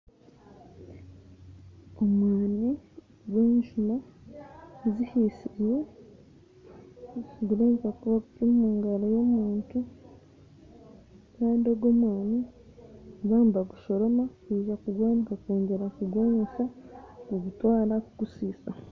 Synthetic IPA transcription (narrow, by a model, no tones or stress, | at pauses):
omwaːni | ɡweːnʒuma | zihisibwe | ɡuɾaikakuβakutimuːŋɡaɾajomuːntu | kaːndioɡomwaːni | ɡaːmbaɡuʃo̞ɾo̞makwiːʒakuɡwaːniɡakoːɲɟe̞ɾakuɡwoːnusakuɡutwaːɾakuɡusiːsa